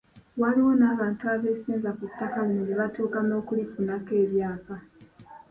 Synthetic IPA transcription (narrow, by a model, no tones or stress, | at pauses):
waliwo̞naːβaːntuaβe̞ːsiːnzakutːakalinuβeβatuːkano̞ːkulipunake̞ːβjaːka